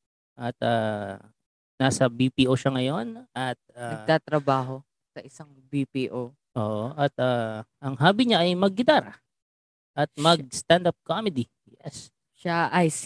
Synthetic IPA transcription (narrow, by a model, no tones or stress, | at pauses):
ʔɐt̪̚aː | naːsɐbipiːʔoʃɐŋɐjo̞nɐt̪̚aɐɡt̪aːt̪ɾɐbaːɦo | sɐʔɪsaŋbipiːʔo | ʔoːʔoʔɐt̪ʔaːʔɐŋɦaːbiɲaʔɐjmɐɡ̚ːɪd̪aːɾɐ | ʔɐt̪̚mɐɡ̚st̪and̪ap̚komɛd̪i | jɛs | ʃaʔɐjs